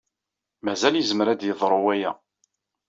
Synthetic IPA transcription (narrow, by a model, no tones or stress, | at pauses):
mæzæljəzəməɾæd̪jəðˤɾˤuwæjæ